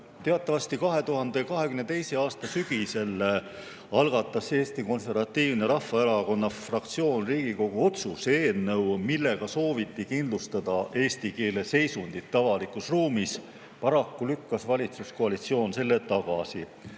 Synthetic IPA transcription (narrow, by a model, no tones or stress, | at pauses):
t̪e̞ɑt̪ːˑɑvɑst̪ikɑɦe̞t̪uɦɑnd̪e̞kɑɦe̞kymnet̪ejse̞ɑːst̪ɑsyɡ̥ise̞lː | ɑlɡ̥ɑt̪ːˑɑse̞ːst̪iko̞nse̞rvɑt̪ːiːvneɾɑhfːɑeɾɑko̞nːɑfrɑk̚t̪sio̞ːnriːɡ̥iko̞ɡ̥uo̞t̪suseːlnɤ̞wmilːe̞ɡ̥ɑso̞ːvit̪ːˑikind̪lust̪ɑd̪̥ɑʔe̞ːst̪ike̞ːle̞se̞jsund̪̥it̪ːɑvɑlikusruːmis | pɑɾɑkːulykːɑsvɑlʲit̪susko̞ɑlit̪sio̞ːnse̞lːet̪ɑɡ̥ɑ̰si